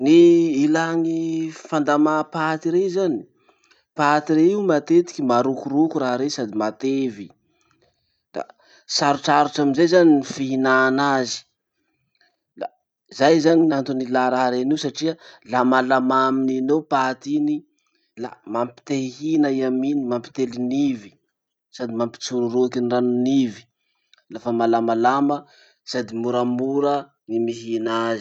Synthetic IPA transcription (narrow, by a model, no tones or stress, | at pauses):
niːlaŋifand̪amapat̪iɾezani̥ | pat̪iɾeiwmat̪et̪i̥kʲimaɾukuɾukuɾaɦɾesad̪imat̪evi | d̪̥a̰ | saɾuʈ͡ʂaɾuʈ͡ʂaminzejzaninifiɦinaːnazi̥ | la̰ | zajzaninant̪unilaɾaɦaɾeniwsaʈ͡ʂiəlamalamamininewpat̪ini | la̰mampi̥t̪eiɦinəiaminimampi̥t̪elinivi̥ | sad̪imampi̥t͡suɾuɾuakinranunivi̥ | lafəmalamalamə | sad̪imuɾamuɾə | nimiɦinaz